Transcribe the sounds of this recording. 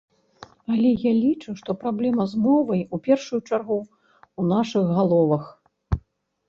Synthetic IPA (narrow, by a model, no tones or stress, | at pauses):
alʲɛjalʲit͡ʂuʂt̪ɔpɾablʲɛmɐzmɔvɐjupʲɛrʂujut͡ʂarɣu | unaʂɨɣɣalˠɔvɐx